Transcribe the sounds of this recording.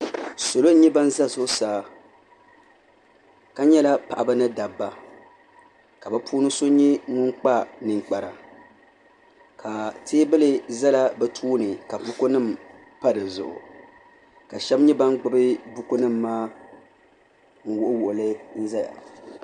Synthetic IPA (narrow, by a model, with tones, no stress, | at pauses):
so˨lo˦ɲɛ˦ba˦n˦za˦zʊ˦ʔʊ˦saː˨ | ka˦ɲɛ˦la˦pa˨ʔa˨ba˦nɨ˦da˨bːa˨ | ka˨ba˦pʰuː˦nɨ˦so˦ɲɛ˦ŋʊ˦nk͡pa˦nɨ˨ŋ͡mk͡pa˨ɾa˨ | kʰa˨tʰeː˦bɨ˦lɨ˦za˦la˦bɛ˦tʰuː˦nɨ˨ka˨bʊ˦ko˦nɨ˦˨m˨ | pa˦dɨ˨zʊ̰˨ʔʊ̰˨ | ka˨ʃɛ˦bɲɛ˦ba˦n˦ɡ͡bɨ˦bɨ˦bʊ˦ko˦nɨ˦mːaː˦ | ŋ̩˦wʊ˦ʔʊ˦wʊ˨ʔʊ˨lɨ˦n̩˦za˦ja̰˨